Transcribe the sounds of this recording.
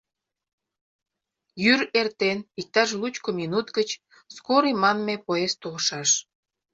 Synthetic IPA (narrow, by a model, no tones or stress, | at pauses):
jyɾert̪enik̚t̪ɑʃ̬lut͡ɕkominut̪ɡət͡ɕ | skoɾimɑnmepoest̪olʃɑʃ